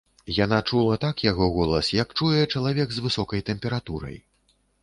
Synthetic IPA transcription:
janat͡ʂulˠɐt̪akjaɣɔɣɔlˠɐsjɐkt͡ʂujɛt͡ʂɐlˠavʲɛɡzvɨsɔkɐjt̪ɛmʲpʲɛɾat̪uɾɐ̰j

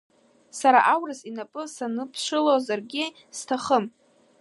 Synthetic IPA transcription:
saɾa̰ʔawrɨsinapʼɨsanɨpʰʂʷɨlozarɡʲɪ | stʰaχəm

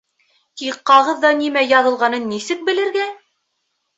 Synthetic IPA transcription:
t̪iqqːɑʁɤðːɑnimæjɑðɤ̆lˠʁɑnɤnːisɘk̚bɘ̆lɘ̆ɾɡæ

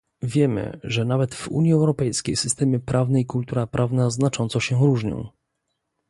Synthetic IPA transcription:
vʲjɛmɘ̰ʐɛnavɛt̪v̥ṵɲjiɛwɾɔpɛjskʲejsɘst̪ɛmɘpɾʔavnɛikult̪uɾapɾʔavnaznat͡ʂɔnt̪sɔɕɛɾuʐɲɔ̰̃w̃

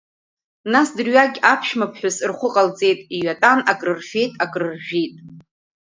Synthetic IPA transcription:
nasdɨrɥaɡʲapʰʃmapʰħʷᶣʊsɨrχʷʊqʼalt͡sʼe̞jtʼiɥatʼanakʼrɨrfe̞jtʼakʼrɨrʒʲᶣijtʼ

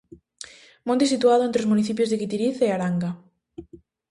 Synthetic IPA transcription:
mõnt̪esit̪uaðʊẽnt̪ɾozmuniθip̬jozðeɣit̪iɾiθeaɾaŋɡa

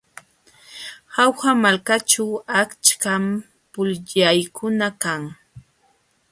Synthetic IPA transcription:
hawxamalkat͡ʃawakt͡ʃkam | pʊlʎajkʊnakaŋ

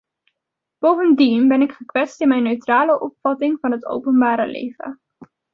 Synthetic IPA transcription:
b̥owvəndinbɛnɪkχəkʋɛtstɪnmɛjnːøɥtraːləʔɔpfɑtɪŋvɑnɦəto̰wpənbaːɾə̰lḛjvə̰

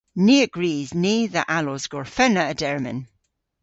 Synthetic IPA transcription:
niːəɡ̥ɹiːzniːðəʔalɔzɡ̥ɔɹfɛnəədɛɹmə̰̃n

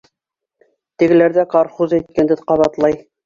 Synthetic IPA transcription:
t̪ɘ̆ɡɘ̆læɾðækɑɾχuzæjt̪̚kænd̪ɘðqɑβɑt̪lˠɑj

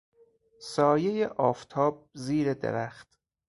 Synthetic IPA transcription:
sɒːjejeʔɒːft̪ʰɒːb̚ziːɾed̪ḛɾæχt̪

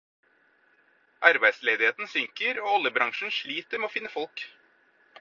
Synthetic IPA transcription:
ʔɑɾbæɪ̥sleːd̪ɪheːt̪n̩sʏŋkəɾoːɔlːəbɾɑŋʂɳ̩ʂɭiːt̪əɾmɛoːfɪnːəfɔlk

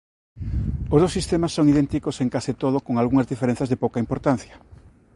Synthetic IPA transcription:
ozðowsist̪emasːoŋiðent̪ikoseŋkasit̪oð̞okoŋalɣuŋɐzðifeɾen̟θazðepowkaimpoɾt̪an̟θjɐ̥

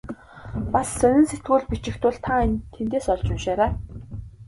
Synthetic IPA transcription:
pasːœnʲɪ̆nset̪ɡuːɮpit͡ɕɪ̆kt̪ʊ̆ɮt̪ʰant̪ʰːent̪eːsɔɮt͡ɕʊnʃæːɾæː

